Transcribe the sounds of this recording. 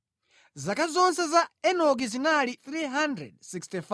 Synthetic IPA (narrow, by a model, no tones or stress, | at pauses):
zakazɔnsɛzaɛnɔɡiziŋaliθɾiɦandɾɛ̰d̚sikstif